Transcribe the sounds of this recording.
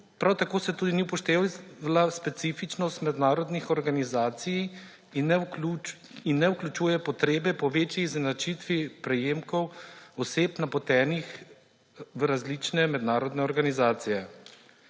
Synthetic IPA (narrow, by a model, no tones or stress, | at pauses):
pɾawt̪akoːsɛt̪uːd̪inipɔʃt̪eːlaspɛt̪siːfit͡ʃnɔst̪mɛd̪naːɾɔd̪nixɔɾɡanizaːt̪sij | nɛu | inːɛuklʲut͡ʃuːjɛpɔt̪ɾeːbɛpɔʋeːt͡ʃiznat͡ʃit̪ʋipɾɛjeːmkɔwɔseːpnapɔt̪ɛːnix | ʋɾazlit͡ʃnɛmɛd̪naːɾɔd̪nɛɔɾɡanizaːt̪sijɛ